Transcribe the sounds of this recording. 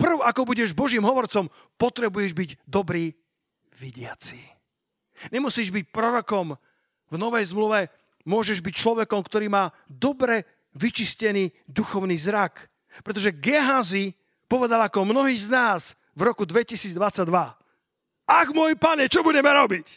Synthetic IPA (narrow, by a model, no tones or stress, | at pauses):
pr̩ʊakɔbuɟɛʒbɔʒiːmɦɔʋɔɾt͡sɔm | pɔt̪ɾɛbujɛʒbiɟd̪ɔbɾiː | ʋiɟɪat͡siː | ɲɛmusiːʒbic̚pɾɔɾɔkɔm | vnɔʋɛjzmluʋɛ | mʊɔʒɛʒbic̚t͡ʃlɔʋɛkɔmkt̪ɔɾiːmaː | d̪ɔbɾɛ | ʋit͡ʃiscɛniːd̪uxɔʊniːzɾak | pɾɛt̪ɔʒɛɡɛɦazi | pɔʋɛd̪alakɔmnɔɦiːznaːz̥ | vɾɔkud̪ʋɛcisiːd͡zd̪ʋat͡sːaɟ̚d̪ʋa | aɣmɔjpaɲɛt͡ʃɔbudɛmɛɾɔbic